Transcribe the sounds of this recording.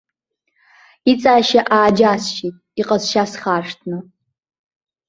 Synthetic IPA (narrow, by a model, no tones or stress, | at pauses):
it͡sʼaːʃɐʔaːd͡ʒaːsʃetʼiqʼɐzʃaːsχaːʂtʰnɨ